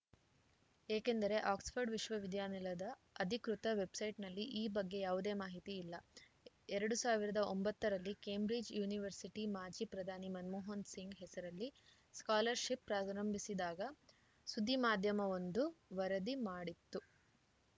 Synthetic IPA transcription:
eːkend̪ɐɾe̞ʔaːksfʰɐɾɖʋiʃʋɐʋid̪jaːnilɐd̪ɐ | ɐd̪ʱikɾut̪ɐʋe̞bsɐjʈnɐlːiʔiːbɐɡːe̞jaːʋud̪e̞ːmaːɦit̪iːlːɐ | ɛɾɐɽusaːʋiɾɐd̪ɐʔombɐt̪ːɐɾɐlːike̞ːmbɾid͡ʒjuːniʋɐɾsiʈimaːd͡ʒipɾɐd̪ʱaːnimɐnmoːɦɐnsiŋɡɦɛsɐɾɐlːi | skaːlɐɾʃipːɾaːɾɐmbʱisid̪aːɡɐ | sud̪ʱːimaːd̪ʱjɐmɐʋond̪uʋɐɾɐd̪imaːɽit̪ːu

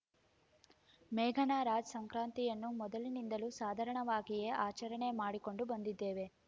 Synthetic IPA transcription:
mɛːɡʱɐnaːɾaːd͡ʒɐsɐŋkɾaːnt̪ijɐnːumɔd̪ɐlinind̪ɐlusaːd̪ʱɐɾɐɳɐʋaːɡije̞ʔaːt͡ʃɐɾɐɳe̞maːɽiko̞ɳɖubɐnd̪id̪ːe̞ːʋe̞

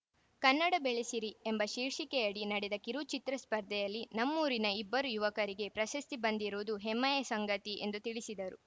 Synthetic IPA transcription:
kɐnːɐɽɐbeɭesiɾiembɐʃiːɾʂikɛjɐɽinɐɽɛd̪ɐkiɾut͡ʃit̪ɾɐspɐɾd̪ʱɛjɐlːinɐmːuːɾinɐibːɐɾujuʋɐkɐɾiɡe̞pɾɐʃɐst̪ibɐnd̪iɾuːd̪uɦɛmːɐjɐsɐŋɡɐt̪iʔe̞̰nd̪ut̪iɭisid̪ɐɾu

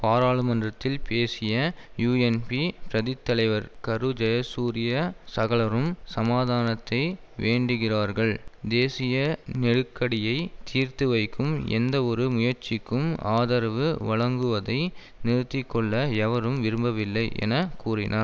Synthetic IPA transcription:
paːɾaːɭɯmɐndrɐt̪ːɪlpeːsɪjɐjuːɛnpipɾɐðɪt̪ːɐlɐɪʋɐɾkɐɾɯd͡ʒɐjɐsuːɾɪjɐsɐɣɐɭɐɾɯmsɐmaːðaːnɐt̪ːɐɪ | ʋeːɳɖɯɣɪraːɾɣɐɭd̪eːsɪjɐnɛɽɯkːɐɽɪjɐɪt̪ʰiːɾt̪ɯʋɐɪkːɯmɛ̰nd̪ɐɔɾɯmʊjɐɾt͡ʃɪkːɯmaːðɐɾʋɯʋɐɭɐŋɡɯʋɐðɐɪ | nɪɾɯt̪ːɪkːɔɭːɐɛʋɐɾɯmʋɪɾɯmbɐʋɪlːɐɪʔɛ̰nɐkuːrɪnʔaːɾ

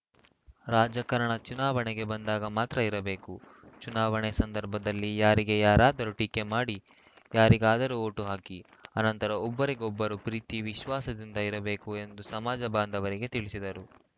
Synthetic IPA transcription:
ɾaːd͡ʒɐkɐɾɐɳɐt͡ʃunaːʋɐɳɛɡe̞bɐnd̪aːɡɐmaːt̪ɾɐiɾɐbe̞ːku | t͡ʃunaːʋɐɳesɐnd̪ɐɾbʱɐd̪ɐlːijaːɾiɡe̞jaːɾaːd̪ɐɾuʈike̞maːɽi | jaːɾiɡaːd̪ɐɾuo̞ːʈuɦaːki | ɐnɐnt̪ɐɾɐɔbːɐɾiɡɔbːɐɾupɾiːt̪iʋiʃʋaːsɐd̪ind̪ɐiɾɐbe̞ːkue̞nd̪usɐmaːd͡ʒɐbaːnd̪ʱɐʋɐɾiɡe̞t̪iɭisid̪ɐɾu

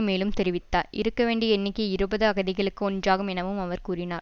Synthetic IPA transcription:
meːlɯmt̪ɛɾɪʋɪt̪ːaːʔɪ̰ɾɯkːɐʋeːɳɖiɛnːɪkːɯɪɾɯbɐðɯɐɣɐðɪɣɐɭɯkːɯɔndraːɣɯmɛnɐʋɯmɐʋɐɾkuːɾɪnaːɾ

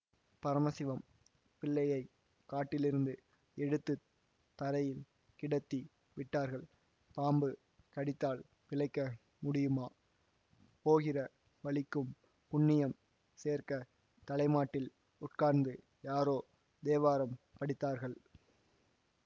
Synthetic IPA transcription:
pɐɾɐmɐsɪʋɐm | pɪɭːɐjɐɪ | kːaːʈːɪlɪɾɯnd̪ɯ | ɛɽɯt̪ːɯ | t̪ːɐɾɐjɪl | kɪɽɐt̪ːi | ʋɪʈːaːɾɣɐɭ | paːmbɯ | kɐɽɪt̪ːaːɭ | pɪlɐɪkːɐ | mʊɽɪjɯmaː | poːɣɪrɐ | ʋɐɭɪkːɯm | pʊɳːɪjɐm | seːɾkɐ | t̪ɐlɐɪmaːʈːɪl | ʊʈkaːɾnd̪ɯ | jaːɾoː | d̪eːʋaːɾɐm | pɐɽɪt̪ːaːɾɣɐɭ

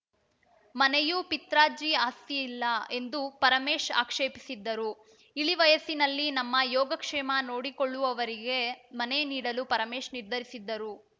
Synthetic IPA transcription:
mɐnejupit̪ɾaːd͡ʒiaːst̪iːlːɐe̞nd̪upɐɾɐmeːʂa̰ːkʂeːpisid̪ːɐɾu | iɭiʋɐjɐsinɐlːinɐmːɐjɔːɡɐkʂɛːmɐno̞ːɽikoɭːuʋɐʋɐɾiɡe̞mɐne̞niːɽɐlupɐɾɐmeːʂniɾd̪ʱɐɾisid̪ːɐɾu

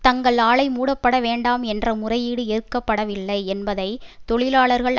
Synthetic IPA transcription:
t̪ɐŋɡɐɭaːɭɐɪmuːɽɐpːɐɽɐʋeːɳɖaːmɛndrɐmʊrɐjɪɽɯɪɾɯkːɐpːɐɽɐʋɪlːɐɪɛnbɐðɐɪt̪ɔɭɪlaːɭɐɾɣɐɭ

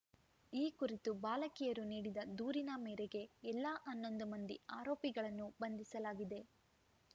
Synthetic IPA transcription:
iːkuɾit̪ubaːlɐkijɐɾuniːɽid̪ɐd̪uːɾinɐmɛːɾeɡe̞ɛlːaːʔɐnːond̪ɐmɐnd̪iaːɾo̞ːpiɡɐɭɐnːubɐnd̪isɐlaːɡid̪e̞

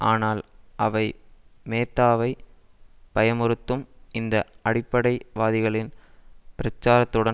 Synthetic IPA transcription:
ʔaːnaːlʔɐʋɐɪmeːt̪ːaːʋɐɪ | pɐjɐmɯɾɯt̪ːɯmɪnd̪ɐʔɐɽɪpːɐɽɐɪʋaːðɪɣɐɭɪnpɪɾɐt͡ʃːaːɾɐt̪ːɯɽɐ

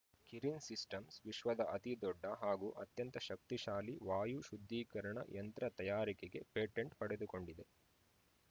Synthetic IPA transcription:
kiɾinsisʈɐmsʋiʃʋɐd̪ɐʔɐt̪id̪ɔɖːɐɦaːɡuːʔɐt̪jɐnt̪ɐʃɐk̚t̪iʃaːliʋaːjuʃud̪ʱːiːkɐɾɐɳɐ̰jʔɐnt̪ɾɐt̪ɐjaːɾikeɡe̞̰peːʈeɳʈpɐɽed̪uko̞ɳɖid̪e̞

